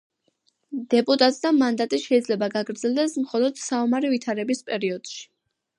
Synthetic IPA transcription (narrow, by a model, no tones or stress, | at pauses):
d̪̥ɛpʼut̪ʼat̪ʼsd̪amand̪at̪ʼiʃɛid̪zlɛbaɡaɡɾd̪zɛlˠd̪ɛsmχɔlˠɔd̪̥saɔmaɾivit̪ʰaɾɛbispʼɛɾiɔd̪̥ʃi̥